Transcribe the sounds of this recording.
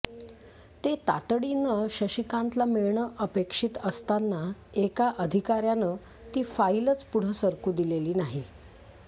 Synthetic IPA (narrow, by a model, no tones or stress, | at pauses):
t̪et̪a̰t̪ɽinəɕəɕikant̪lamiɭɳəʔəpekʂiːt̪əst̪anːaekaʔəd̪ʱikaɾjanə | t̪iːfailət͡spuɽ̤əsəɾkuːd̪ileliːnaɦi